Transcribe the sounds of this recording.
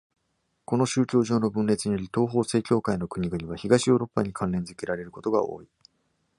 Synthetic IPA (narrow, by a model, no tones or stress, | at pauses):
ko̞no̞ɕɨːkʲo̞ːʑo̞ːno̞bɯ̟̃nɾe̞t͡sɨɲ̟ijo̞ɾʲit̪o̞ːɦo̞ːse̞ːkʲo̞ːkaino̞kɯ̟ɲ̟iɡɯ̟ɲ̟iβaçiɡaɕio̞ːɾo̞pːaɲ̟ikʰãnɾẽ̞nd͡zɨ̥kʲeɾaɾe̞ɾɯ̟ko̞t̪o̞ɡao̞̰ːi